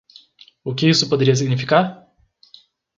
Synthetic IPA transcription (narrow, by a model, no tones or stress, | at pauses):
ʊkʲɪisʊpod̪eɾiɐs̬iɡnifikaɾ